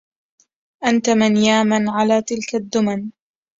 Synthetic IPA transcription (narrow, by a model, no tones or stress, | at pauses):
ʔant̪amanjaːmanʕalaːt̪ɪlkad̪ːʊman